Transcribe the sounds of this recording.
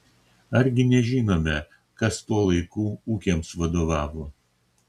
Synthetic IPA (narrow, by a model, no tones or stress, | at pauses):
ɐɾʲɡʲɪnʲɛʒʲiːnoːmʲɛ | kɐst̪uɔlˠɐɪkuːuːkʲeːmsʋɐd̪oːʋɑːʋoː